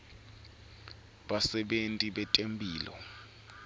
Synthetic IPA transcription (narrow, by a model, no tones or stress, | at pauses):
ɓasɛɓentʼiɓɛtʼempʼiːlɔ̰